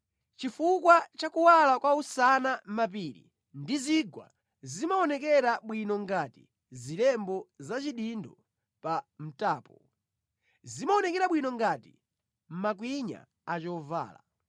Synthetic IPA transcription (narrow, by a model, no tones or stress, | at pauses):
t͡ʃifukwat͡ʃakuwalakwausanamap̬iɾḭ | ndiziɡwa̰ | zimaɔnɛk̬ɛɾaɓwinɔŋɡati | zilɛmbɔzat͡ʃiɗindɔ | pam̩taːpɔ | zimaɔnɛkɛɾaɓwinɔŋɡatḭ | m̩mak̬wiɲa̰ | at͡ʃɔva̰ːla̰